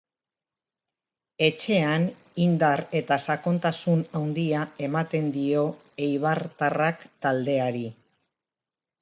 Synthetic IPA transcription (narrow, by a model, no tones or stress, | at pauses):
e̞t͡ʃe̞an | ind̪are̞t̪asako̞nt̪asunawnd̪iae̞mat̪e̞nd̪io̞ | ejβ̞aɾt̪arakt̪ald̪e̞aɾi